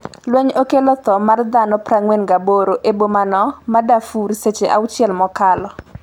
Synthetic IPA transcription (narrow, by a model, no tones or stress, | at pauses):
lwɛɲokelɔt̪ɔmard̪anɔpɾaŋwenɡaboɾoʔebomanɔmadafuɾset͡ʃeʔa̰wt͡ʃjɛlmɔkalɔ